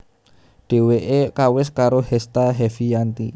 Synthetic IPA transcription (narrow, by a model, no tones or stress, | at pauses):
ɖ̥e̤weʔekawɪskaɾohɛst̪aɦɛfijant̪i